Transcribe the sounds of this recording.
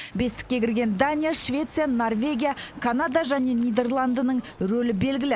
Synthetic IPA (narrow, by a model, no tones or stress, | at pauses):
be̞st̪ɪ̥kʲːe̞kʲɪɾɡʲe̞nd̪anʲijaʃvʲe̞t̪sɨjano̞rvʲe̞ɡʲijakʰanad̪aʒæne̞nijd̪e̞rlˠand̪ənəɴ | ɾɵlɪbe̞lɡʲɪlɪ